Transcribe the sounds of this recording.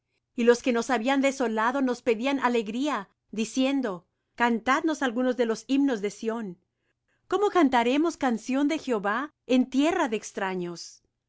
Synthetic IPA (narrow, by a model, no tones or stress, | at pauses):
ilo̞ske̞no̞saβiand̪e̞so̞laðo̞no̞spe̞ðianʔale̞ɣɾia | ðisje̞nd̪o̞ | kant̪ad̪no̞salɣuno̞zðe̞lo̞sibno̞zðe̞sjo̞n | ko̞mo̞kant̪aɾe̞mo̞skansjo̞nd̪e̞xjeo̞βa | ent̪je̞raðeeːkst̪ɾaɲo̞s